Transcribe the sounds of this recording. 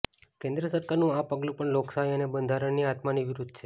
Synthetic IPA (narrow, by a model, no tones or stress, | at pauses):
kẽnd̪ɾəsəɾkaɾnũapəɡlũpəɳloksajənebənd̪ʱaɾəɳniat̪maniʋɪɾud̪ʱt͡ʃʰe